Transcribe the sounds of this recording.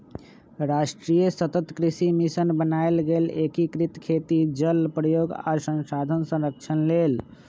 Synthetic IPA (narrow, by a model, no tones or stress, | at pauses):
ɾasʈɾijəsət̪ət̪kɾisimisənbənaelɡelekikɾit̪kʰet̪id͡ʒəlpɾəjoɡa̰sə̃nsad̪ʱənsə̃ɾək̚t͡ʃʰənlel